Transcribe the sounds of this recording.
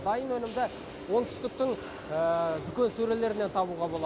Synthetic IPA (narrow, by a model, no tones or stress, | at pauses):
d̪ɑjənwɵnɪmd̪ɪ | wo̞ŋt̪ʰʏ̥st̪ɪk̚t̪ɪŋ | əd̪ʏkʲe̞nsɵɾe̞le̞ɾɪne̞nt̪ʰɑbuʁɑbo̞lˠɑ